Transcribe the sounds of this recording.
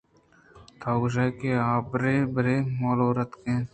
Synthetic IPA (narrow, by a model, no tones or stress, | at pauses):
t̪ʰaːɡʒajkeaːbɾeːbɾeːmoːloːɾɐt̪kẽː